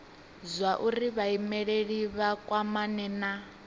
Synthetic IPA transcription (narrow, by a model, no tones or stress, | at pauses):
zʷwaʔuɾiβaimɛɺeɺiβakʼwamanɛna